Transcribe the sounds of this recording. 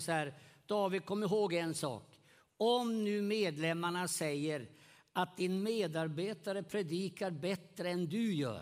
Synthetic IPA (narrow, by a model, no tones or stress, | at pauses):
sæːɾd̪̥ɑːvɪd̪̚kʰɔmːəɪɾɦoːɡɛnsɑ̰ːk | ɔmnʉ̟ːmeːd̪lɛmːaɳasɛjːəɾ | ʔat̪̚d̪ɪnmeːd̪aɾbeːt̪aɾəpʰɾɛd̪iːkaɾbɛt̪ɾəɛnd̪ɵjœ̰ː